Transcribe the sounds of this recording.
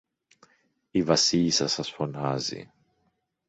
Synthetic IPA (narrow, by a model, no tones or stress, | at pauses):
ivɐsiʎisɐsɐsfo̞nɐzḭ